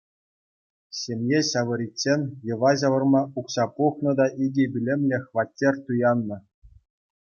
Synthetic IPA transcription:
ɕʲemʲjeɕɑʋɤ̆ɾʲitʲsenʲjɤ̆ʋɑʑɑʋɤ̆rmɑʔuksɑpuxnɤ̆d̪ɑʔiɡʲebʲilʲemʲlʲĕxʋɑtʲːerʲt̪ujɑnːɤ̆

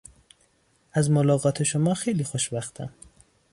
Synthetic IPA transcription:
æzmolɒːɣɒːt̪ʰeʃomɒːxejliːxoʃbæxt̪ʰæ̰m

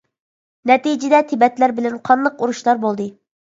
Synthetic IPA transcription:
nɛt̪id͡ʒɪd̪ɛt̪ʰɪbɛt̪læɾbɪlɛnqʰɑnd̪ɑquɾuʃlˠɑɾbolˠd̪ɨ

